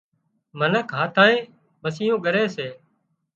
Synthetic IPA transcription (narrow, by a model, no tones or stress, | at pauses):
mənəkʰɦaːt̪ʰãːẽː | məsiːjõːɠəɾeːseː